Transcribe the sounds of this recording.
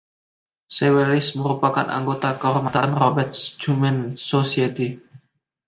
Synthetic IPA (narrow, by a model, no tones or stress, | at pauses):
sewelɪsməɾupakanʔa̰ŋɡot̪akəɔrmat̪anrɔbɛrt̪̚d͡ʒumɛnsosiet̪i